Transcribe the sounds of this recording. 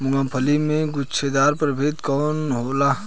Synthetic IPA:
mʊɡãːpʰəlimẽɡʊt͡ʃʰed̪aːɾpɾəbʱeːt̪kɔːnɦoːlaː

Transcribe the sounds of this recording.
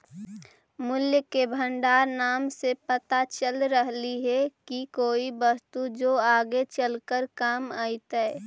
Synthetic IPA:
mʊljkebʱə̃ɳɖaːɾnaːmsepət̪at͡ʃəlɾəɦliɦɛkikoːibəst̪ud͡ʒoːaːɡet͡ʃəlkəɾkaːmaːit̪ɛɛ

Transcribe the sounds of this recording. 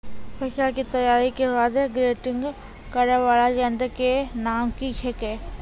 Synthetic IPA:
pɛsalkit̪əjaːɾikebaːd̪ɡɾeːʈɪ̃ŋɡ | kəɾaʋaːlad͡ʒə̃nd̪kenaːmkit͡ʃʰekɛː

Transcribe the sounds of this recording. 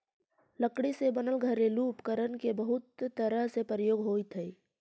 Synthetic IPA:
ləkɽisebənəlɡʱəɾeluːpkəɾənkebəɦʊt̪ːəɾəɦsepɾəjoːɡɦoːit̪ʰəi

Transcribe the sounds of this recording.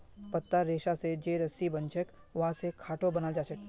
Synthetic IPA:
pɐt̪ːaɾeːʃased͡ʒeːɾɐsibɐ̃nt͡ʃʰək | ʋɐɦãsekʰaːʈobɐnad͡ʒaːt͡ʃək

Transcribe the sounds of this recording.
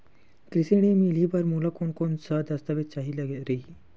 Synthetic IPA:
kɾiseɽ̃emilibaɾmulakoɳkonsəd̪ɐst̪aʋet̪̚t͡ʃaɦilaɡeɾeɦi

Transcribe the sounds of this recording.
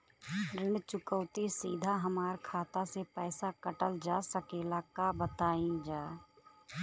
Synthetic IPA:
ɾɪɳt͡ʃʊkəwt̪isiːd̪ʱaɦəmaːɾkʰaːt̪asepɛːsakəʈəld͡ʒaːsəkeːlakabət̪aːĩd͡ʒaː

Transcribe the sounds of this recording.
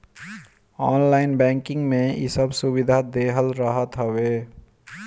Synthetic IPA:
ɔːnlaɪnbɛ̃ːŋkɪ̃ŋɡmẽḭsəbsubid̪ʱad̪eɦəlɾəɦət̪ɦəwe

